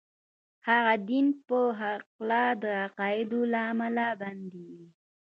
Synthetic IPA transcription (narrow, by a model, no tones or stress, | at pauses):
haɣad̪inpəɦaqlad̪əaqɑɪd̪olaːmalaband̪iw